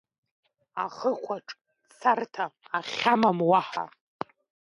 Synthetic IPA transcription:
aχəχʷʰaʈ͡ʂʼ | sʰartʰaːχʲamamwaħa̰

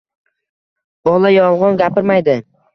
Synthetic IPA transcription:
bɒlˠajɒlˠʁɒnɡʲapɪɾmajd̪ɪ

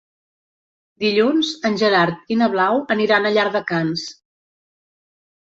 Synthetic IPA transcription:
d̪iʎunzənʲʒəɾaɾt̪̚inəβ̞lawəniɾanəʎaɾðəkans

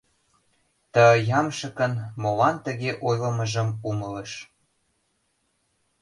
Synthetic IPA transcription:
t̪əjɑmʃə̆kə̆nmolɑnt̪ə̆ɣeʔojlɤ̆mə̆ʒə̆mumɤləʃ

